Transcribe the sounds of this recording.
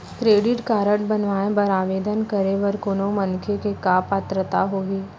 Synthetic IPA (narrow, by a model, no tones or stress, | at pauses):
kɾeːɖɪʈkaːɾəʈbənʋaːẽbəɾaːʋeːd̪ənkəɾeʋəɾkoːnomɐnkʰekekapaːt̪ɾət̪aɦoːɦiː